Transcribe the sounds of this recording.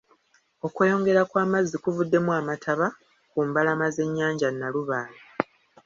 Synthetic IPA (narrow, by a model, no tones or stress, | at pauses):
o̞kwe̞ːjo̞ŋɡe̞ɾakwaːmazːikuvudːe̞muaːmatʰaβa | kumbalamaze̞ɲːaːɲɟanːaluβaːli